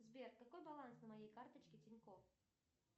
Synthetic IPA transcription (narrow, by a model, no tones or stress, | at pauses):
zʲbʲɛrkakɔjbalˠansnɐmajɛjkart̪ɐt͡ʃkʲit͡sʲinʲkɔw